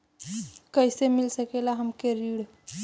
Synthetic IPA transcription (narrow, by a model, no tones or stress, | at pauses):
kəjsemilsəkelaɦəmkeɾiɽ